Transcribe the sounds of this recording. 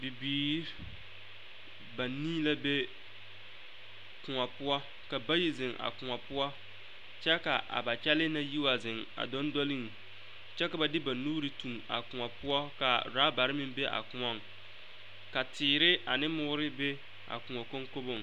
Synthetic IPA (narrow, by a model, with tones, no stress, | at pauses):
bɪ˨biː˨ɾ | ba˨niː˦la˦be˦ | kʊ˨ŋa˨pʊ˦ɔ˦ | ka˨ba˦ji˦zɪ˨ŋʔa̰˨kʊ˨ŋɔ˨pʊ˦ɔ˦ | t͡ʃɛ˦ka˨ʔa̰˨ba˨t͡ʃɛ˦lɪ˦na˦ji˦wa˨zɪ˨ŋa̰˨dɔ˦ndɔ˦lɪ˦ŋ˨ | t͡ʃɛ˦ka˨ba˨dɪ˦ba˨nuː˦ɾɪ˨tu˨ŋa̰˨kʊ˨a˨pʊ˦ɔ˦ka˨ɾaː˨˦ba˨ɾɪ˦mɪ˦mbe˦ʔa̰˨kʊ˨ɔ˦˨ŋ | ka˨tɪː˨ɾɪ˦a˨nɪ˦mʊː˦ɾɪ˦be˦ | a̰˨kʊ˨ɔ˨ko˦ŋko˦bo˨ŋ˨